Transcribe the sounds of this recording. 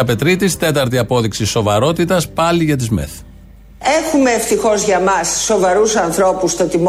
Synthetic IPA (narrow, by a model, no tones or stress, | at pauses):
ɐpe̞t̪ɾit̪ist̪e̞t̪ɐɾt̪iɐpo̞ðiksiso̞vɐɾo̞t̪it̪ɐspɐliʝɐt̪̬izmḛθ | exume̞ːft̪ixo̞zʝɐmɐsːo̞vɐɾusɐnθɾo̞pust̪ɐt̪im